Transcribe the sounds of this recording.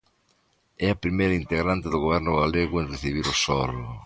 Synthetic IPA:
ɛɐpɾimejɾɐint̪eɣɾant̪ɪðʊɣoβɛɾnʊɣaleɣwʊenreθiβ̞iɾʊsɔlʊ

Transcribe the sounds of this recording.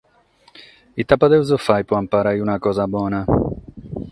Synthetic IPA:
it̪ːapːad̪ɛwzofajpɔampaɾajunakɔːzabwɔːna

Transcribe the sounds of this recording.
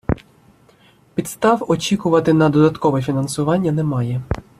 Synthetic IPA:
pʲit̪st̪ɑʋɔt͡ʃʲikʊʋɐt̪ɪnɐd̪ɔd̪ɐt̪kɔʋɛfʲinɐnsʊʋɑnʲːɐnɛmɑjɛ

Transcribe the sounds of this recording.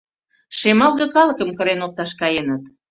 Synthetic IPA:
ʃemɑlˠɣə̆kɑləkəmkəɾenop̚t̪ɑʃkɑjenət̪

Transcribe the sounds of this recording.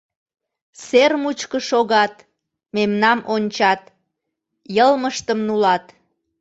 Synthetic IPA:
sermut͡ɕkəʃoɣɑt̪ | memnɑmʔonʲt͡ɕɑt̪ | jəlməʃt̪əmnulɑt̪

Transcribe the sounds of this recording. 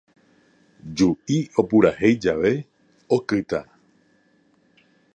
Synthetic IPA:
d͡ʒuʔio̞puɾahe̞jd͡ʒaʋe̞ | o̞kɨt̪a

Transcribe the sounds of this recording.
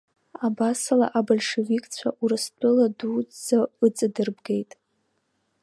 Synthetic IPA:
abasala̰ʔabolʲʂevikʼt͡sʷʰaʔuɾɨstʷʰʼɨladud͡zaɨt͡sʼɨdɨrbɡe̞jtʼ

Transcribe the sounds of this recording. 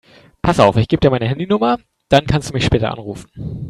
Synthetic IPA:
pʰasʔaʊfɪçɡ̥iːb̚d̥iːɐmaɪnəɦɛndinʊmɐ | d̥ankʰanstd̥uːmɪçʃpɛːtɐ̰ʔa̰nʁṵːfn̩

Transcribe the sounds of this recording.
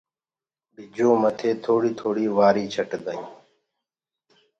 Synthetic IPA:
ɓɪd͡ʒõːmət̪ʰeːt̪ʰoːɽiːt̪ʰoːɽiːʋaːɾiːt͡ʃʰəʈd̪əjũː

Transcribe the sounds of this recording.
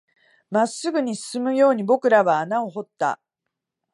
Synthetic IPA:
masɨɡɯ̟ɲ̟isɨ̥sɨmɯ̟jo̞ːɲ̟ibo̞kɯ̟ɾaβaːnao̞ɦo̞t̪ːa̰

